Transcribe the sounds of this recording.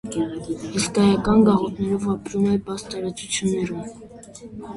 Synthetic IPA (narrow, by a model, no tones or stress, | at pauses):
hiskɑjɑkɑnɡɑʁɔt̪ʰnɛɾɔvɑpɾumɛbɑst̪ɑɾɑt͡sut͡sʰjunːɛɾum